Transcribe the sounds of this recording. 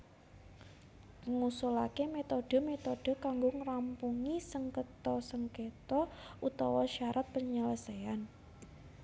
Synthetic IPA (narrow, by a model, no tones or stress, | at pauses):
ŋusulakemet̪oɖ̥ə̤met̪oɖ̥ə̤kaŋɡoŋɾampuŋisəŋkət̪ɔsəŋket̪ɔut̪ɔwɔʃaɾʔat̪̚pəɲələsean